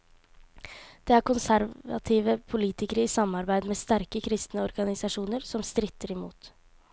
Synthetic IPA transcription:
d̪̥ɛːæːɾkʊnsæɾʋɑ̰t̪ʰiːʋəpʰʊliːt̪ɪkəɾəiːsɑmɑɾbæɪd̪meːst̪æɾkəkʰɾɪst̪nəɔɾɡɑnɪsɑʂuːnəɾsɔmst̪ɾɪt̪ːəɾɪmuːt̪

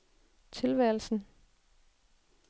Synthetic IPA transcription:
t͡sʰe̝lʋæl̩sn̩

